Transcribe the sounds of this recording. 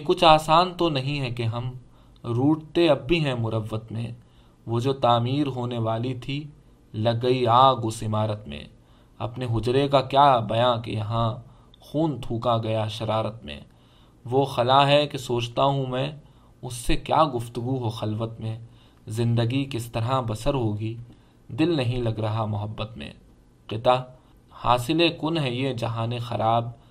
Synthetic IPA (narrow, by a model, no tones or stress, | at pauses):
kʊt͡ʃʰaːsaːnt̪onɐɦĩɦɛkeɦɐm | ɾuːʈt̪eɐbːʱiɦɛ̃mʊɾəʋːət̪mḛ̃ | ʋod͡ʒoːt̪aːmiːɾɦoːneʋaːlit̪ʰi | lɐɡːɐiaːɡʊsɪmaːɾət̪mḛ̃ | ɐ̰pneɦʊd͡ʒɾekakjaːbɐjãːkḛjɐɦã | xuːnt̪ʰuːkaɡɐjaʃɐɾaːɾət̪mḛ̃ː | ʋoxɐlaɦɛkesoːt͡ʃt̪aɦũmɛ̃ː | ʊsːekja̰ːɡʊft̪ʊɡuɦoxɐlʋət̪mẽ | zɪ̃nd̪əɡikɪst̪ɐɾabɐsəɾɦoːɡiː | d̪ɪlnɐɦĩlɐɡɾɐɦamʊɦəbːət̪mḛ̃ː | qɪt̪a | ha̰ːsɪlekʊnɦɛjed͡ʒɐɦãːnexɐɾʔaːb̚